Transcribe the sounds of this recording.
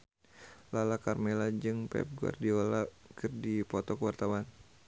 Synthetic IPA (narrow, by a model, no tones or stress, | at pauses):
lalakarmelad͡ʒɨŋpɛ̰p̚ɡua̰rdiɔla | kɨrdipɔt̪ɔkəwart̪awan